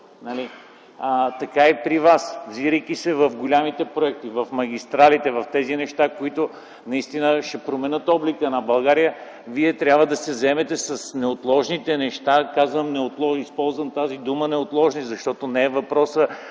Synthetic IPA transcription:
nɐli | ət̪ɐkaipɾivasvziɾəjk̟isɛvɐfɡolʲamit̪ɛpɾoɛk̚t̪ivɐfmɐɡ̟ʲist̪ɾalit̪ɛvɐft̪ɛzinɛʃt̪akoit̪ʊ | nɐist̪inəʃɛpɾomɛnət̪ɔblikənɐbɐlˠɡaɾijə | viɛt̪ɾʲjabvəd̪ɐsɛzɛmɛt̪ɛsɐsnɛot̪lˠɔʒnit̪ɛnɛʃt̪akazvəmnɛot̪lˠɔispɔlˠzvəmt̪azid̪umənɛot̪lˠɔʒnizɐʃt̪ɔt̪onɛːvɐpɾɔsə

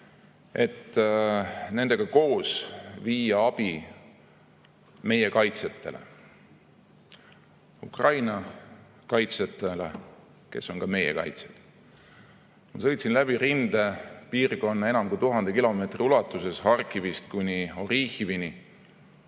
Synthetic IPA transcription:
e̞̰t̪ː | ne̞nd̪e̞ɡ̥ɑko̞ːsviːjɑɑb̥i | me̞je̞kɑjt̪set̪ːe̞̰lḛ | ṵkrɑjnɑ | kɑjt̪set̪ːˑele | ke̞̰sːo̞nkɑme̞jḛkɑ̰jt̪sed̪̥ | mɑsɤ̞jt̪sinlæb̥irind̪̥epiːrko̞nːɑe̞nɑmkujt̪uɦɑnd̪e̞kilo̞me̞ːt̪riulɑt̪ːˑuse̞shɑrkːˑivist̪kunʲio̞rihivini

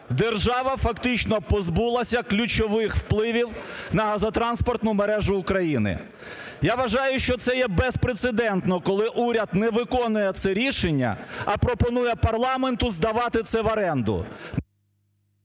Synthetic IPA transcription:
d̪erʒɑʋɐfɐkt̪ɪt͡ʃnɔpɔzbulˠɐsʲɐklʲʊt͡ʃɔʋɪxwplˠɪʋʲiwnɐɦɐzɐt̪ɾɑnspɔrt̪nʊmeɾɛʒʊːkɾɐjinɪ̰ | jaʋɐʒɑjʊʃt͡ʃɔt̪sɛjɛbɛspɾet̪sed̪ɛnt̪nɔkɔlˠɪʔuɾʲɐd̪nɛʋɪkɔnʊjɛt̪sɛɾʲiʃenʲːɐ̰ɐpɾɔpɔnujɛpɐrlˠɑment̪ʊzd̪ɐʋɑt̪ɪt̪sɛʋɐɾɛnd̪ʊ̰

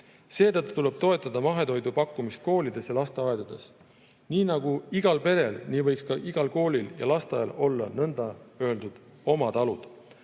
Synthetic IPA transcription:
se̞ːt̪ɤt̪ˑːu̥t̪ule̞b̥̚t̪o̞e̞t̪ːˑɑd̪̥ɑmɑɦe̞d̪o̞jd̪upɑkːˑumist̪̚ko̞ːlid̪̥e̞sjɑlɑst̪eɑed̪̥ɑd̪̥e̞s | niːnɑɡ̥uiɡ̥ɑlpe̞ɾe̞lniːvɤjkskɑʔiɡ̥ɑlko̞ːlʲiljɑ̰lɑst̪eɑjɑlo̞lːɑ̰nɤnd̪̥ɑø̞eld̪ud̪̥ | o̞mɑt̪ɑlud̪̥

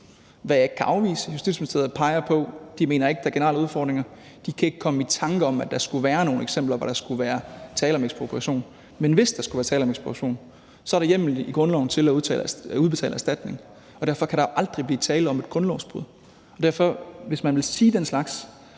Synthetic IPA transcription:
ʋæjɑ̈ɪɡ̥̚kʰæʔɑ̈ʊʋḭːsəjusd̥iðˠsmensʰeð̩ˠpʰɑ̈ɪɐpʰɒ̽d̥ime̝ːnɐe̝ɡ̥̚d̥ɑɐɡ̥e̝nɐɑ̰ləuð̞ˠfɒ̰ːd̥ʁeŋɐ | d̥ikʰæe̝ɡ̥əkʰɒ̽məit͡sʰɑ̈ŋɡ̥əɒ̽mæd̥ɑ̈sɡ̥uʋæːɐno̝ːn̩eɡ̥semb̥lɐʋɒɾ̥ɑ̈sɡ̥uʋæːɐt͡sʰɛːləɒ̽meɡ̥sb̥opʰuʁɑɕo̝̰ːn | menʋe̝sd̥ɑ̈sɡ̥uʋæːɐt͡sʰɛːlɒ̽meɡ̥sb̥oʁɕo̝̰ːn | sɒɐɾ̥ejem̰liɡ̥ʁɔ̽nlɒʊn̩t͡sʰe̝læt͡sʰɛ̰ːluð̞ˠb̥et͡sʰɛ̰ːləæsd̥æd̥ne̝ŋ | ɒ̽dæɐ̰fɒ̽kʰæɾɑ̈oʔɑ̈ld̥ʁib̥liːt͡sʰɛːləɒ̽me̝d̥ɡ̥ʁɔ̽nlɒʊsb̥ʁuð̞̰ˠ | ɒ̽d̥æɐfɒ̽ʋe̝smænʋe̝lsiːd̥enslɑ̈ɡ̥s

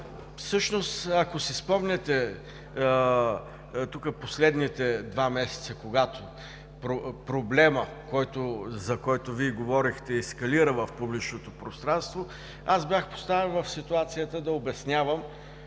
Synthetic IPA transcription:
fsɤʃnost̪ɐkosispɔmnʲɛt̪ɛ | t̪ukəposlɛd̪nit̪ɛd̪vamɛsɛ̥t̪səkoɡat̪o | pɾopɾoblɛmə | kɔjt̪ozɐkɔjt̪ʊviɛɡovɔɾixt̪ɛːskɐliɾəvɐfpublit͡ʃnot̪opɾost̪ɾanst̪vo | azbjaxpo̥st̪avɛnvɐfsit̪uat̪sijət̪əd̪ɐobɛsnʲavəm

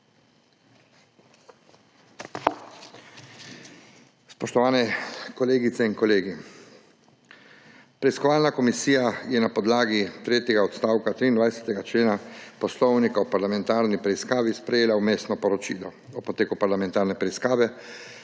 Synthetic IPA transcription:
spɔʃt̪ɔʋaːnɛkɔleːɡit̪sɛiŋkɔleːɡi | pɾɛiskɔʋaːlnakɔmisiːjajɛnapɔd̪laːɡit̪ɾeːt̪jɛɡaɔt̪st̪aːwkat̪ɾiːnd̪ʋajsɛ̥t̪ɛɡat͡ʃleːnapɔslɔwnikaɔpaɾlamɛ̃nt̪aːɾnipɾɛiskaːʋispɾɛjeːlaumeːst̪nɔpɔɾɔt͡ʃḭːlɔ | ɔpɔt̪eːkupaɾlamɛ̃nt̪aːɾnɛpɾɛiskaːʋɛ

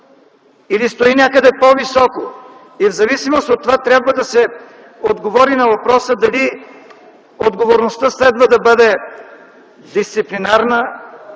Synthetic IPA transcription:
ilist̪oinʲakəd̪ɛpovisɔko | ivzɐvisimost̪ot̪ːovat̪ɾʲabvəd̪ɐsɛ | od̪ɡovɔɾinɐvɐpɾɔsəd̪ɐli | od̪ɡovoɾnost̪əslɛd̪vəd̪ɐbɤd̪ɛ | d̪ist̪siplinaɾnə

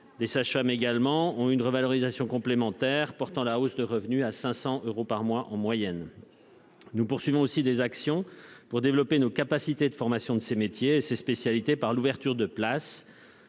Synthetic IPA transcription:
d̪esaʃfameɡalmɑ̃ɔ̃ynʁəvalɔʁizasjɔ̃kɔ̃plemɑ̃t̪ɛʁpɔʁt̪ɑ̃laosd̪əʁəvnyasɛ̃sɑ̃ʔøʁopaʁmwaʔɑ̃mwajɛn | nupuʁsɥivɔ̃osid̪ezaksjɔ̃puʁd̪evlɔpenokapasit̪ed̪əfɔʁmasjɔ̃d̪əsemet̪jeːsespesjalit̪epaʁluvɛʁt̪yʁd̪əplas

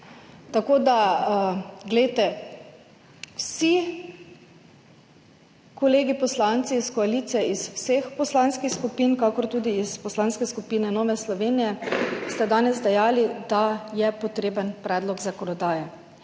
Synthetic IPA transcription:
t̪akoːd̪a | ɡlɛt̪ɛ | wsi | kɔleːɡipɔslant̪siːskɔaliːt̪sijɛiswsexpɔslanskixskupiːnkakɔɾt̪uːd̪iispɔslanskɛskupiːnɛnoːʋɛslɔʋeːnijɛst̪ad̪aːnɛzd̪ɛjaːlid̪ajɛpɔt̪ɾeːbənpɾɛːd̪lɔɡzakɔnɔd̪aːjɛ

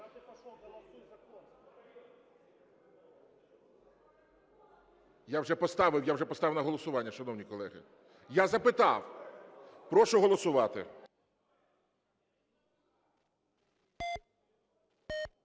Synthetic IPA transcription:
jawʒɛpɔst̪ɑʋɪwjawʒɛpɔst̪ɑʋɪwnɐɦɔlˠɔsʊʋɑnʲːɐʃɐnɔwnʲijkɔlˠɛɦɪ̰ | jazɐpɪt̪ɑ̰w | pɾɔʃʊɦɔlˠɔsʊʋɑt̪ɪ̰

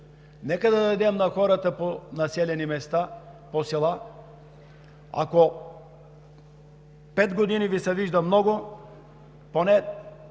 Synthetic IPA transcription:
nɛkad̪ad̪ajd̪ɛmnaxɔɾat̪aponasɛlɛnimɛst̪a | posɛlˠa | a̰kɔ | pɛd̪ɡod̪inivisɛviʒd̪amnɔɡʊ | ponɛ

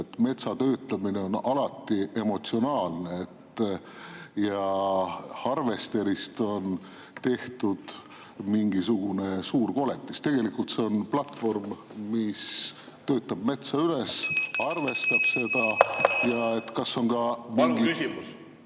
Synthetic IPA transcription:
et̪ːme̞t̪sɑt̪ø̞ːt̪ˑlɑmine̞o̞nɑlɑt̪ːˑiʔe̞mo̞t̪sio̞nɑːlneet̪ | jɑ | hɑrve̞st̪e̞ɾist̪o̞n | t̪e̞ht̪ud̪̥ | miŋɡisuɡ̥une̞suːrko̞le̞t̪ːˑist̪e̞ɡ̥e̞likˑult̪se̞o̞nplɑt̪ːˑfo̞rm | mis | t̪ø̞ːt̪ːˑɑb̥̚me̞t̪sɑyle̞sɑrve̞st̪ɑb̥se̞d̪̥ɑjɑe̞t̪ːkɑsːo̞ŋkɑmŋɡikysimus

